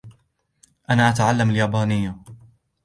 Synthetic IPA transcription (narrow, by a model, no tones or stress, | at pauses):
ʔanaːʔat̪ʕalːamaljaːbaːnɪjːa